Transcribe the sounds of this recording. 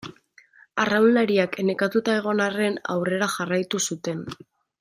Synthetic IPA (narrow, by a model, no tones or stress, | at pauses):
arawnlaɾiakene̞kat̪ut̪ae̞ɣ̞o̞nare̞na̰wre̞ɾaxarajt̪usut̪e̞n